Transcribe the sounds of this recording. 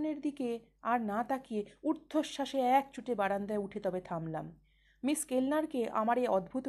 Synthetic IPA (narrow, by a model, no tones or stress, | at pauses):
neɾd̪ike | aɾnat̪akieuɾt̪ʰːoʃːaʃeɛk̚t͡ɕuʈebaɽand̪ɛeuʈʰet̪ɔbet̪ʰamla̰mː | iskelnaɾkeʔa̰maɾeɔd̪bʱut̪